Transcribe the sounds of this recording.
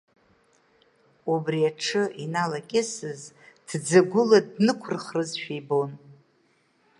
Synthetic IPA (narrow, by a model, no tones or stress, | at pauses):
ubriaʈ͡ʂʰɨʔinalakʲʼɪsɨz | d̥d͡zaɡʷʊladnɨkʷʰʊrχrɨzʃᶣijbon